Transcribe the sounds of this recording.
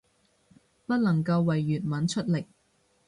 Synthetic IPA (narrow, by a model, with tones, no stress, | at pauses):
pɐ˥t̚lɐ˨˩ŋkɐ˧wːɐ˨˩jːyː˨t̚mɐ˨˥nt͡ʃʰɵ˥t̚lɪ˨˩k̚